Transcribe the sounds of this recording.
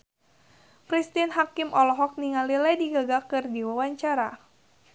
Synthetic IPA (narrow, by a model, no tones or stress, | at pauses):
kɾist̪inɦakimʔɔlɔɦɔk̚niŋalilɛdiɡaɡakɨrdiwawaɲt͡ʃaɾa